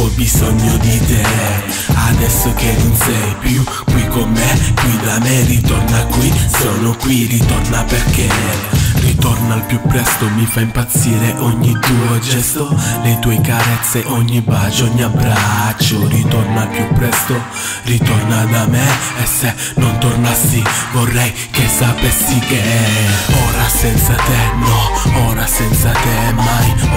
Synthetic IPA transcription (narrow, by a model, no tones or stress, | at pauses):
ɔbizɔɲːod̪id̪ɛ | ad̪ɛsːok̟erinsɛpju | kwikːomːekwid̪amerit̪ɔrnakwisɔːnokwirit̪ornaperkerit̪ɔrnalpjupːɾɛst̪omifaimpat̪siːɾeʔɔɲːid̪ud͡ʒɛsolejt̪uɔjkaɾɛt̪sːeʔɔɲːibat͡ʃɔɲːiabɾat͡ʃːorit̪ɔrnalpjupːɾɛst̪o | rit̪ornad̪ameesːe | nont̪ornasːivorːɛj | kesːapɛsːike | ɔːɾasɛnt̪sat̪enɔɔːɾasɛnt̪sat̪emːaj